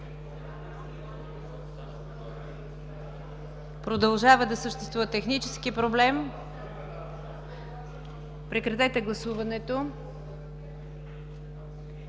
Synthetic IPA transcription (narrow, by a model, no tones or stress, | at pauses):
pɾod̪ɐlˠʒavəd̪ɐsəʃt̪ɛ̥st̪vuvət̪ɛxnit͡ʃɛskipɾoblɛm | pɾɛkɾɐt̪ɛt̪ɛɡlˠɐsuvɐnɛt̪o